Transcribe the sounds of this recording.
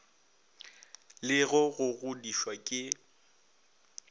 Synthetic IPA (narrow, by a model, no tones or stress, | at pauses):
lɪɣʊɣʊɣʊdiʃwakʼɪ